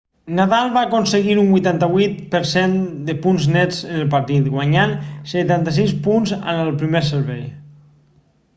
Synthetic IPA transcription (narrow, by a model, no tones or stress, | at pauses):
naðalˠβakonsəɣiɾumbujt̪ant̪əβwit̪̚pəɾsend̪əpunznɛd͡zənəlˠpəɾt̪it̪ɡwaɲanset̪ant̪əs̬ispunzə̰nəlˠpɾimesəɾβɛj